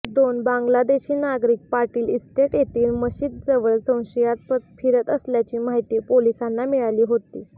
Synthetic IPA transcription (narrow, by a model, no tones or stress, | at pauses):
d̪onbãŋɡlad̪eɕiːnaɡɾiːk̚paɾʈiːlisʈeʈjet̪iːlməɕiːt̪̚d͡zəʋəɭsə̃w̃ɕijat͡s̪pəfʰiɾət̪əsljat͡ɕiːmaɦit̪iːpolisanːamiɭaliːɦot̪iː